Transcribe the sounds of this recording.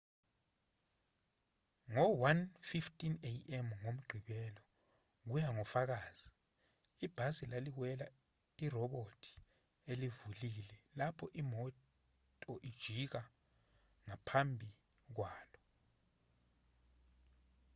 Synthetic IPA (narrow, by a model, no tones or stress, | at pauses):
ŋɔwanfiftʼineɛmŋom̩ɡ͡ǃʱiɓɛlɔ | k̬ujaŋɔfak̬aːz̥i | ib̥ʱasilalik̬wɛla | irɔɓotʰi̥ | elivulilɛlapʰɔʔimɔ | tʼɔʔid̥ʒ̥ʱik̬a | ŋapʰambʱi | k̬waːlɔ